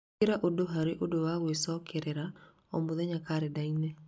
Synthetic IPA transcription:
ɪɾaʔodoɦaɾeʔodowawesɔkeɾeɾa | ɔmʊðɛɲakaɾɛdaine

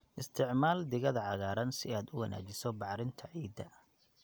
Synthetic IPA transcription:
ʔɪst̪ʰɪʕmaːld̪ɪɣɐðɐʕɑɣaːɾɐnsɪaːd̪ʊwɐna̰ːt͡ʃɪsɔbɑʕɾɪnt̪ʰɐʕiːd̪ɐ

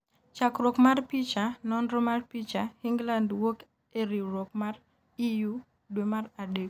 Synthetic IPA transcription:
t͡ʃakɾokmarpit͡ʃanɔndɾɔmarpit͡ʃahiŋɡlandwok | eɾiɾokmar | iju | dwemaradek

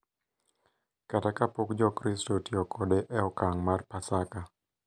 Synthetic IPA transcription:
katakapokd͡ʒɔkɾɪstotiɔkʰɔdeʔɛɔkaŋmarpasaka

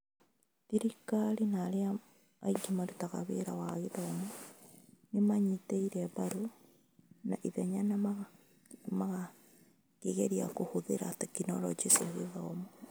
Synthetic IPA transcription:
ðiɾikaɾinaɾea | a̰iɡimaɾutaɣa̰βeɾa̰waɣeðomo | nemaɲiteiɾɛβaɾo | na̰ʔiðɛɲanaa | maɣa | keɣeɾiakohoðeɾatekinɔɾɔ̰d͡ʒesaɣeðɔmo

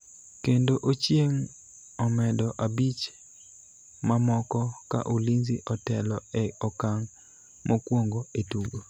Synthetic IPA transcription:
kendoʔot͡ʃjeŋ | ɔmɛdɔʔabit͡ʃ | mamɔkɔka̰ʔulinziʔɔtɛlɔɛɔkaŋ | mʔokwoŋɡoetuɡo

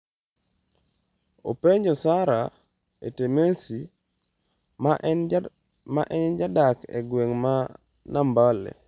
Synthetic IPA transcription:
o̰peɲd͡ʒɔsaɾa | ḛtemesi | maʔɛɲd͡ʒadakḛɡweŋma | nambalḛ

